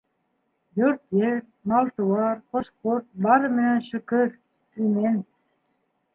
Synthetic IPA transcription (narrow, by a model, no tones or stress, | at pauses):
jøɾt̪jeɾ | mɑlˠt̪uwɑɾqoʃqoɾt̪̚bɑɾɤmĕnenʃɵkøɾ | ymen